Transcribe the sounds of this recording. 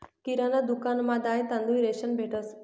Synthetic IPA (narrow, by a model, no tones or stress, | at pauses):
kiɾanəd̪ukanmad̪ajt̪ãnd̪uiɾeʃənbʱeʈəs